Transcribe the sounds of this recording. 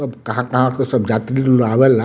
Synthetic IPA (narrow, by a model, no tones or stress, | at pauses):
əbkɐɦãkɐɦãkesəbd͡ʒaːt̪ɾiloaʋɛla